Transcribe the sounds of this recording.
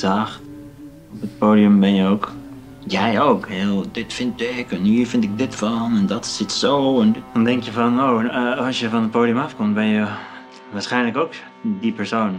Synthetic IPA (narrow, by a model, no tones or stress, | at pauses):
zaːχt | ɔpət̚poːdiəmbɛnjəowk | jɛjowkhɪlˠdɪtfɪntɪkənhiːɹfɪntɪk̚dɪtfɑnɛndɑtsɪtsowɛndɑndɛŋkjəvɑnowɑlˠsjəvɑnət̚poːdiəmɑfkɔmtbɛnjə | ʋaːɹsχɛjnləkowk | dipɛɹsown